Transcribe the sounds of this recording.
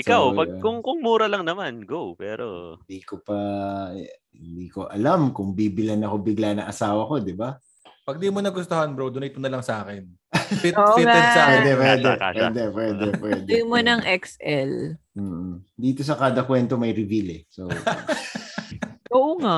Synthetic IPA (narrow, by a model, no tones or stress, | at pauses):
ʔɪkawpɐɡ̚kʊŋkʊŋmuːɾɐlɐŋnɐmanɡowpɛ̰ːɾo̰ɪnd̪iːkopɐ | ɪnd̪iːko̞ʔɐlamkʊŋbiːbɪlɐnɐko̞bɪɡlanɐŋʔɐsaːwɐko̞d̪ɪba | pɐɡ̚d̪iːmonɐɡʊst̪oɦɐnbɾod̪ʊnɐjt̪onɐlɐŋsʔaːkɛn | fɪtoʔɪt̪ɛsawɛːd̪ɛpwɛːd̪ɛ̰wd̪ɛpwɛːd̪ɛpwɛd̪monɐŋʔɛksʔɛlm̩ːd̪iːt̪o̞s̬ɐkaːd̪ɐkwɛnt̪o̞mɐjɾɪvilɛso | oʔoŋa